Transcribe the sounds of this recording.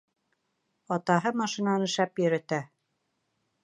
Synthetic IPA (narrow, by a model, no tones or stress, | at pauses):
ɑt̪ɑɦɤmɑʃinɑnɤʃæpjɵ̆ɾɘ̆t̪æ